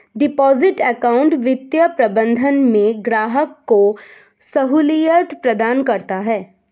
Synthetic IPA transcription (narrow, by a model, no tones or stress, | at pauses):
ɖɪpɔːzɪʈɛkaːʊ̃ɳʈʋɪt̪jəpɾɐbə̃nd̪ʱənmẽɡɾaːɦəkːo | sɐɦuːlijət̪pɾɐd̪aːnkɐɾt̪aɦɛː